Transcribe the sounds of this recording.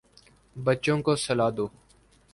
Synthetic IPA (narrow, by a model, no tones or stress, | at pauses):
bətːt͡ʃõːkoːsəlaːd̪oː